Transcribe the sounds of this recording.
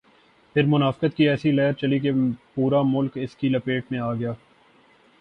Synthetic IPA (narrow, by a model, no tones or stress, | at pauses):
pʰɪɾmʊnaːfɪkət̪kiɛːsilɛːəɾt͡ʃɐlik̬epuːɾamʊlkɪskilɐpeːʈmẽaːɡɐɪjaː